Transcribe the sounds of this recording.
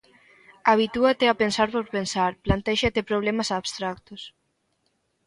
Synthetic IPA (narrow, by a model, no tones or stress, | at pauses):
aβ̞it̪uat̪eapensaɾpoɾpensaɾplant̪ɛʃat̪epɾoβ̞lemasaβst̪ɾak̚t̪os